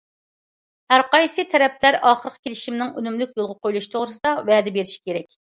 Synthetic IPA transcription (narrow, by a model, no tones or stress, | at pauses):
hæɾqɑjsɨt̪ʰɛɾɛplæɾɑːχəɾəqʰə̥kʲʰelɪʃimnɪŋø̰nymlyk̚ʲjolˠʁɑqʰojlˠuʃi̥t̪ʰoʁɾɨsɨd̪ɑwɛːd̪ɛbeɾɪʃi̥kʲeɾɛkʲ